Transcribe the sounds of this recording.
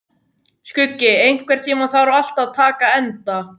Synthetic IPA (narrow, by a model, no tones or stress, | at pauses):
skʏcːɪejŋ̥kʰvɛɾ̥t̪ʰiːmaθaɾʏal̥t̪aðt̪ʰaːkaɛnt̪a